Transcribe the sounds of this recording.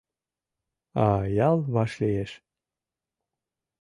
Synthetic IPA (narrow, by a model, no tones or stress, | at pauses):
ɑjɑlˠβɑʃlijeʃ